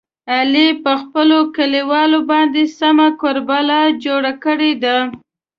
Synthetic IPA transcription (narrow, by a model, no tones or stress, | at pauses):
alipəxpəlokəliwɑlobɑnd̪esamakoɾbalad͡ʒoɽakəɽed̪a